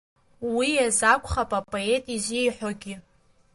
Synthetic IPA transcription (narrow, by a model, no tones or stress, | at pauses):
wijazakʷʼχapʼapʼoe̞tʼizʷijħʷᶣoɡʲɪ